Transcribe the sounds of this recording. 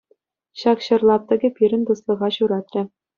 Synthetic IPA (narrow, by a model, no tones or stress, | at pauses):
ɕɑkɕɤ̆rlˠɑp̚t̪ɤ̆ɡʲɘ̆pʲiɾʲɘ̆nʲt̪uslˠɤ̆ʁɑɕuɾɑt̪rʲɘ̆